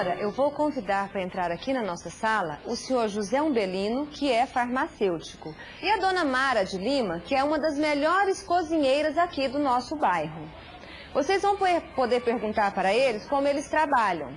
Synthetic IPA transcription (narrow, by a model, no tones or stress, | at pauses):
ɾɐʔewvowkõvid̪aɾpɾɐẽnt̪ɾaɾakinɐnɔsɐsalɐʊsẽɲoɾʒuzɛũbelĩnʊkʰɪɛfaɾmasewt͡ʃi̥kʊ | ɪɐd̪õnɐmaɾɐd͡ʒɪlĩmɐkɪɛũmɐd̪ɐzmeʎɔɾɪskozĩɲejɾɐzakid̪ʊnɔsʊbajɦʊ | vosejzvɐ̃w̃ppod̪eɾpeɾɡũnt̪aɾpaɾɐelɪskõmʊelɪst̪ɾabaʎɐ̰̃w̃